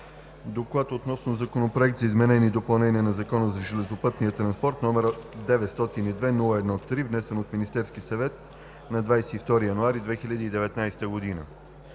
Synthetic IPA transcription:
d̪oklˠat̪ot̪nɔsnozɐkonopɾoɛk̚t̪zɐizmɛnɛnid̪opɐlˠnɛniɛnɐzɐkɔnəzɐʒɛlɛzopɤt̪nijət̪ɾɐnspɔɾt̪nɔmɛɾd̪ɛvɛt̪st̪ɔt̪inid̪vɛnulˠəɛd̪nɔt̪ːɾivnɛsɛnot̪minist̪ɛɾskisɐvɛt̪̚ | nɐd̪vajsɛift̪ɔɾijɐnuaɾid̪vɛxilʎʲəd̪iːd̪ɛvɛt̪najsɛ̥t̪əɡod̪inə̰

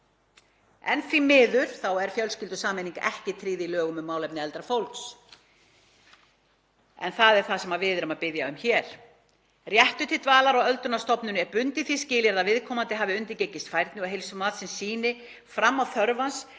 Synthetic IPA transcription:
ɛ̰nθɾimɪːðʏɾ̥θawɛɾ̥fjœlscɪlt̪ʏsaːmeniŋka̰ʔɛhcɪt̪ʰɾiːðilœːɣʏmʏmaːwlɛpnɪɛlt̪ɾafowlks | ɛ̰nθaðɛɾ̥θaðsɛmaðvɪðɪɾʏmaðpɪðjaʏmçɛːɾ̥ | rjɛht̪ʏt̪ʰɪlt̪vaːlaɾɔɣœlt̪ʏnast̪ɔpnʏnɛɾpʏnt̪ɪθiscɪːljɛɾðavɪðkʰɔːmant̪ɪɦaːvɪʏnt̪ɪcejcːɪst̪fajɾt̪nɪɔɣɦejlsʏmaːðsɛmsiːnɪ | fɾamːawθœɾvans

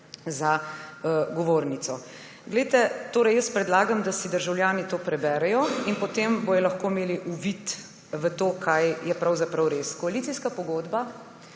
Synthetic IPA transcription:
za | ɡɔʋoːɾnit̪sɔ | ɡlɛjt̪ɛt̪oːɾɛjəspɾɛd̪laːɡamd̪asid̪əɾʒawljaːnit̪oːpɾɛbɛɾɛjɔinpɔt̪embojɔlɐxkoːmeːliʔuʋit̪ | ʋət̪oːkʰajjɛpɾawzapɾɐwɾeːskɔalit̪sijskapɔɡoːd̪ba

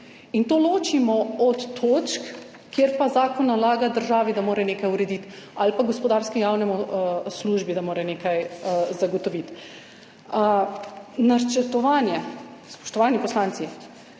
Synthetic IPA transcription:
int̪oːloːt͡ʃimɔɔt̪ːoːt͡ʃk | kːjeɾpazaːkɔnːalaːɡad̪əɾʒaːʋid̪amoːɾɛneːkajuɾɛd̪it̪alpaɡɔspɔd̪aːɾskɛjawnɛmɔsluːʒbid̪amoːɾɛneːkajzaɡɔt̪ɔʋit̪ | nat͡ʃət̪ɔʋaːnjɛspɔ̥ʃt̪ɔʋaːnipɔslaːnt̪si

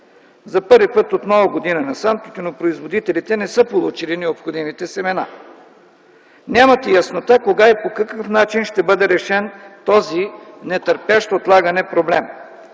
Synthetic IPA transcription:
zɐpɤɾvipɤt̪ot̪nɔvɐɡod̪inɐnɐsamt̪it̪ɛnopɾoizvod̪it̪ɛlit̪ɛnɛsɤpolˠut͡ʃilinɛopxod̪imit̪ɛsɛmɛna̰ | nʲamɐt̪ɛjɐsnot̪akoɡaipokɐkəfnat͡ʃinʃt̪ɛbɤd̪ɛɾɛʃɛnt̪ɔzinɛt̪əɾpaʃt̪oot̪lˠaɡɐnɛpɾoblɛm

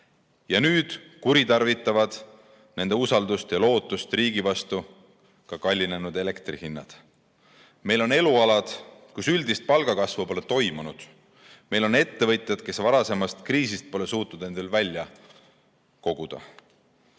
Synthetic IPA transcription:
jɑnyːd̪̥kuɾit̪ɑrvit̪ːˑɑvɑd̪̥ | ne̞nd̪̥eusɑld̪ust̪jɑlo̞ːt̪ˑːust̪riːɡ̥ivɑst̪u | kɑkɑlʲːine̞nud̪̥e̞le̞kt̪rihinːɑ̰d̪̥ | me̞jlo̞ne̞luɑlɑd̪̥kusyld̪ist̪̚pɑlɡ̥ɑkɑsvupo̞let̪o̞jmunud̪̥ | me̞jlo̞ne̞t̪ːe̞vɤ̞t̪ˑjɑd̪̥ke̞svɑɾɑse̞mɑst̪kriːsist̪̚po̞le̞suːt̪nud̪̥ne̞nd̪̥elvælʲjɑ | ko̞ɡ̥ud̪̥ɑ̰

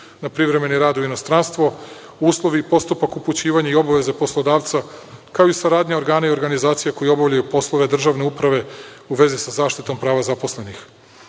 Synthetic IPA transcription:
napɾiʋɾe̞me̞niɾaːd̪uino̞st̪ɾanst̪ʋo | uːslˠo̞ʋiːpo̞st̪upakuput͡ɕiːʋaɲaio̞baʋe̞zepo̞slˠo̞d̪aːʋt̪sakaoisaɾaːd̪ɲeo̞ɾɡaːnaio̞ɾɡanizaːt̪sijakojeo̞bavʎajupo̞slˠo̞ʋe̞d̪r̩ʒaːʋne̞upɾaʋe̞uʋe̞zisazaːʃt̪it̪o̞mpɾaːʋazapo̞sle̞nix

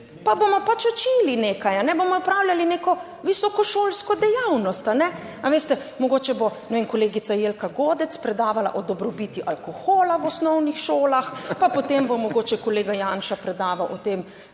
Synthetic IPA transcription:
pabomɔpat͡ʃɔt͡ʃiːlineːkajanɛbomɔɔpɾaːwlʲalineːkɔ | ʋisɔkɔʃoːlskɔd̪ɛjawnɔst̪anɛ | aʋest̪ɛmɔɡoːt͡ʃɛbonɛʋenkɔleːɡit̪sajeːlkaɡoːd̪ɛt̪spɾɛd̪aːʋala̰ʔɔd̪ɔbɾɔbit̪iʔalkoxoːlawɔsnɔwnixʃoːlaxpapɔt̪embomɔɡoːt͡ʃɛkɔleːɡajanʃapɾɛd̪aːʋawʔɔt̪eːm

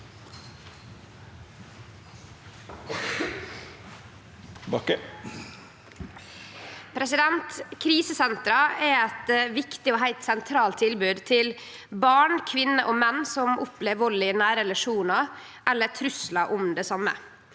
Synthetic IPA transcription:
bɑkə | pʰɾɛsɪd̪ɛnt̪kʰɾiːsəsɛnt̪ɾɑɛɛt̪ʋɪkt̪ɪoːɦæɪt̪sɛnt̪ʰɾɑːlt̪ʰːɪlbʉːd̪t̪ʰɪl | bɑːɳkʰʋɪnːəʔoːmɛnːsɔmʊpleːʋɔlɪnæːɾəɛlɑʂuːnɑ | ʔɛlːət̪ʰɾʉslɑʔʊmd̪eːsɑmə̰

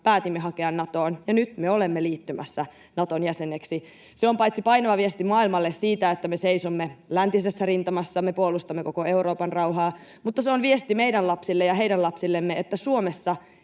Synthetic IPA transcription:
pæːt̪imːeɦɑkeɑnːɑt̪oːnjɑnyt̪meolemːeliːt̪ːymæ̰sːæ | nɑt̪onjæsenːeksi | seompɑjt̪sipɑjnɑʋɑʋiest̪imɑːilmɑlːessiːt̪æet̪ːæmeseisomːelænt̪isesːærint̪ɑmɑsːɑmepuolust̪ɑmːeko̞ko̞e̞uɾoːpɑnrɑuwɦɑː | mut̪ːɑseonʋiest̪imejdænlɑpsilːejɑɦe̞ijdænlɑpsilːemːeet̪ːæsuomesːɑ

